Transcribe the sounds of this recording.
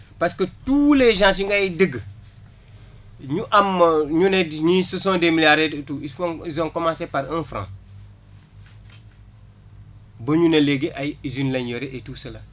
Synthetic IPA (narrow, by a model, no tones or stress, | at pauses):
paskətuleʒãːsiŋɡajidiɡ | ɲuʔamːɲunedɲisusõndemilaɾedtuːifozoŋkomasepaɾinfɾã̰ | bɐɲuneleɡeʔazinlanjoɾeʔetuːsala